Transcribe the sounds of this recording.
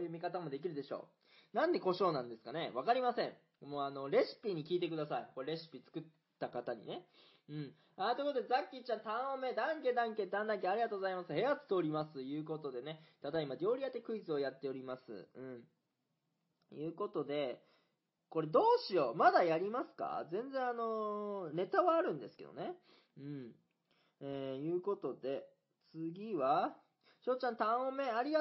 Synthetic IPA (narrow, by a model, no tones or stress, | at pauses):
ojɯ̟mʲikat̪amo̞d̪e̞k̬ʲiɾɯ̟d̪e̞ɕo̞̰ː | nãnd̪e̞ko̞ɕo̞ːnãnd̪e̞sɨ̥kane̞βakaɾʲimasẽ̞ɴ | moːano̞ɾe̞sɨ̥pʲiɲ̟ikʲiːt̪e̞kɯd̪asaiko̞ɾeɾe̞sɨ̥pʲit͡sɨ̥kɯ̟t̪ːakat̪aɲ̟ḭne̞ | ɯ̟̃ɴ | at̪ɯkot̪ozakʲːit͡ɕãnt̪ãɰ̃ome̞d̪ãŋkʲed̪ãŋk̬e̞t̪ãnd̪ãŋk̬ʲeaɾʲiɡat̪o̞ːɡo̞zaimasɨhe̞at͡sɨ̥t̪eoɾʲimasɨjɯ̟ːko̞t̪o̞d̪e̞ne̞t̪ad̪aimad̪ʲo̞ːɾʲijat̪ːekɯ̟it͡sɨo̞jat̪ːe̞o̞ɾʲimasɨ̰ɯ̟̃ɴ | jɯ̟ːko̞t̪o̞d̪e̞ | ko̞ɾe̞d̪o̞ːɕio̞mad̪ajaɾʲimasɨ̥ka̰zẽ̞nd͡zẽ̞ɰ̃ano̞ne̞t̪aβaːɾɯ̟̃nd̪e̞sɨ̥ke̞̰d̪o̞̰ne̞ | ɯ̟̃ɴ | eːjɯ̟ːko̞t̪o̞d̪e̞ | t͡sɨɡʲiβa | ɕo̞ːt͡ɕãnt̪ãɰ̃ome̞aɾʲiɡa